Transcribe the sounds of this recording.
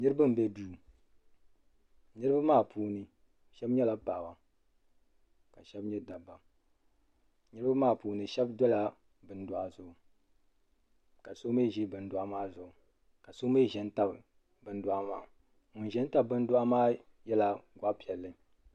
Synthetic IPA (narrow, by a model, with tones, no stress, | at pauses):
nɨ˦ɾɨ˦bɨ˦m̩˨bɛ˦duː˦ | nɨ˦ɾɨ˦ba˦maː˦˨pʰuː˨˦nɨ˨ | ʃɛ˦bɲɛ˦la˨paː˨wa˨ | ka˨ʃɛ˦bɲɛ˦da˨bːa˨ | nɨ˦ɾɨ˦ba˦maː˦˨puː˨nɨ˨ʃɛ˦bdɔ˦la˦ | bɨ˦n˦dʊ˦˨a˦zʊ˨ʊ˨ | ka˨so˦me˦˨ʒi˦bɨ˨n˦dʊ˦a˦maː˦zʊ˨ɡʊ˨ | ka˨so˦me˦˨ʒɛ˨n˦ta˦b | bɨ˨n˦dʊ˦a˦ma̰ː˦˨ | ŋʊ˨nʒɛ˦n˦ta˦b̚bɨ˦n˦da˦maː˦ | jɛ˦la˨ɡʷa˦pi˨ɛ˨lːɨ˦